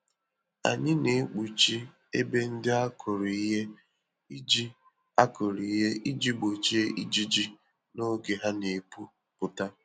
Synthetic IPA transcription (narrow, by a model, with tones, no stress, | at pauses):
a̰˨ɲɪ˦ne˨˦k͡pu˨t͡ʃi˦ | ḛ˦be˦n̩˦dɪ˦a˦kʰʊ˨ɾi˨i˦ɦe˦ | i˦d͡ʒi˦ | a˦kʊ˨ɾi˨i˦ɦe˦ʔi˦d͡ʒi˦ɡ͡bo˨t͡ʃe˦e˦ʔi˦d͡ʒi˦d͡ʒi˦ | no˦ɡe˨ɦa˦ne˨pu˦ | pʊ˨ta˦